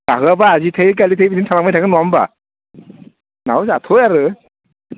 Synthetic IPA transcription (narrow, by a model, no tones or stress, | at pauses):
kaɡabaːzitʰejk̬alitʰejbidintʰamakmajtʰaɡɯnuamba̰ | nawsatʰɔjaɾɯ